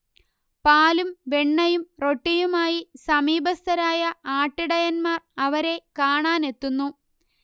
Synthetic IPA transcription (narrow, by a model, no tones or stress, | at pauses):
paːlumʋeɳːɐjumro̞ʈːijumaːjisɐmiːbɐst̪ɐɾaːjɐaːʈːiɽɐjɐnmaːrɐʋɐɾe̞kaːɳaːne̞t̪ːunːu